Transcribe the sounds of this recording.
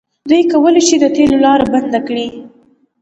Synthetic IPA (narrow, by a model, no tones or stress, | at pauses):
d̪ujkawəleʃid̪ət̪elolɑɾaband̪akɽi